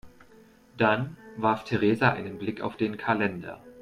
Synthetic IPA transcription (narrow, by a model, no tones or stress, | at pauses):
d̥anvaɐftʰeʁeːzaʔa̰ɪnənblɪka̰ʊfd̥eːnkʰalɛndɐ̰